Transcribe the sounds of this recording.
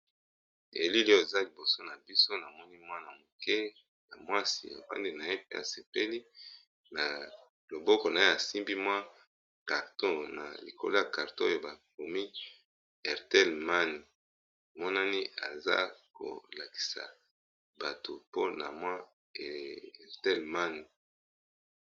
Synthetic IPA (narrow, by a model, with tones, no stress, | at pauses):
ḛ˨li˦li˦o˦e˨za˦li˨bo˨so˦na˨bi˦so˦na˨mɔ˦ni˦mwa˦na˨mo˨kɛ˦ | ja̰˨mwa˦sḭ˨ja̰˨pa̰˦ndi˦na˨e˦pe˦ʔa̰˨se˨pe˦li˦ | na˨ | lo˨bɔ˦kɔ˨na˨e˦a˨si˦mbi˦mwa˦ | ka˨ʁtɔ̃˦na̰˨li˨ko̰˨lo˦ja˨ka˨ʁtõ̰˦jo˨ba˨ko˨mi˦ | ɛ˨ʁtɛ˦˨lma˦ni˨ | mɔ˦na˦ni˦a̰˨za̰˦ko̰˨la˨ki̥˨sa̰˨ | ba˨to˨po˦na˨mwa˦˨ | ʁtɛ˦lma˦ni˨